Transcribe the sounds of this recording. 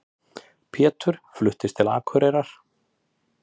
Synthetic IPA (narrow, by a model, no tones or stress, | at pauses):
pʰɛːt̪ʏɾ̥flʏht̪ɪst̪ʰɪla̰ːkʰœɾɛɾaɾ̥